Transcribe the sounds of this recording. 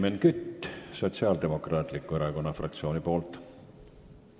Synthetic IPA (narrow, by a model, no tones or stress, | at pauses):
menkyt̪ːso̞t̪siɑːld̪e̞mo̞krɑːt̪likːˑue̞ɾɑko̞nːɑfrɑ̰k̚t̪sio̞ːnipo̞ːlt̪ˑ